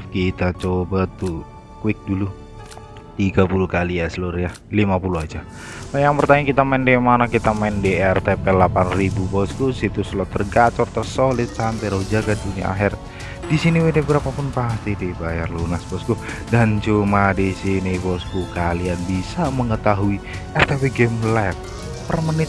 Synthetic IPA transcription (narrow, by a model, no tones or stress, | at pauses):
fkit̪at͡ʃobat̪u | kwɪk̚dulu | t̪iɡapulukalijasəlurja | limapuluad͡ʒa | ajaŋpərt̪aɲakit̪amaɪndɛmanakit̪amaɪndeɛrt̪epɛlapanribupɔskusit̪uslɔt̪ərɡat͡ʃɔrt̪ərsolɪt̪̚sampɛɾod͡ʒaɡadunia̰ʔa̰ɦɪr | disiniwedɛbəɾapapʊnpast̪id̪ibajarlunaspɔsko | dant͡ʃumadisinipɔskukalianbisaməŋət̪aɦui | ʔɛrt̪epɛɡɛmlat̪̚ | pərmənɪt̪̚